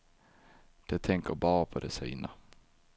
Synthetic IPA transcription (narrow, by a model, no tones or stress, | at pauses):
d̪̥ɛt̪ʰɛŋkəɾbɑːɾapʰɔd̪ɛsy̰ːna